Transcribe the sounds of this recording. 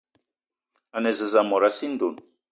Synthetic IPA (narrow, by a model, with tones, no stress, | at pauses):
a˨nɛ˨zə˨za˨mɔ˨ɾa˦si˦nd̪u˨n